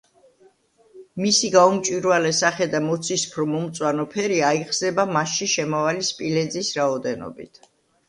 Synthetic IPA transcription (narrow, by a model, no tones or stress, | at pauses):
misiɡaumt͡ʃʼwiɾvalɛsaχɛd̪amɔt̪sʰispʰɾɔmɔmt̪sʼwanɔpʰɛɾiaiχsɛbamasʃiʃɛmɔvalispʼilɛd̪zisɾaɔd̪ɛnɔ̰bḭt̪ʰ